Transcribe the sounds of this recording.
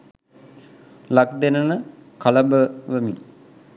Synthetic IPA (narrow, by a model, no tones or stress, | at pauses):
lak̚d̪enənəkaləbəʋəmin